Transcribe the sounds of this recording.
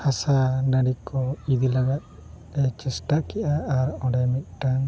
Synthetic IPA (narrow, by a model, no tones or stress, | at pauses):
hasanaɽikʰɔid̪ilaɡat̪̚ | ɛt͡ʃɛsʈakɛʔaːɾɔ̃ɖɛmit̪̚ˀʈaŋ